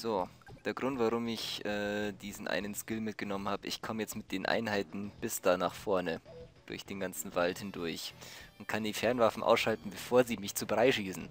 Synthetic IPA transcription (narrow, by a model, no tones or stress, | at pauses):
z̥oː | d̥eːɐɡʁʊntv̥aʁʊmɪçʔɛːd̥iːzn̩ʔa̰ɪnənskɪlmɪt̚ɡ̥ənɔmənhaːbəʔɪçkʰɔməjɛt͡stmɪt̚d̥eːnʔa̰ɪnhaɪtn̩b̥ɪsd̥aːnaːχfɔɐnəd̥ʊɐçd̥eːnɡant͡sn̩valthɪndʊɐçʔʊnt̚kʰandiːfɛɐnvafn̩ʔa̰ʊsʃaltn̩bəfoːɐziːmɪçt͡suːbʁaɪʃiːsn̩